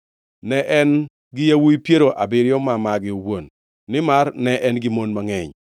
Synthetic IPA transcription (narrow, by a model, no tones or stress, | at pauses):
nɛʔɛn | ɡɪjawujpjeɾoʔabɪɾɪjɔmamaɡɪowonː | ɪmarnɛʔɛnɡɪmonmaŋɛɲ